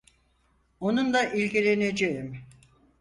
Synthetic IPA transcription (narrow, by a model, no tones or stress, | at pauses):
onund̪aʔilʲɟʲilʲened͡ʒejim